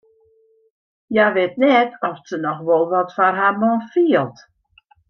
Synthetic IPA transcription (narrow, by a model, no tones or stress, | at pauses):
jaʋɪt̚nɛtɔfsənɔxʋɔlˠʋɔtfarɦamɔnfiəlˠt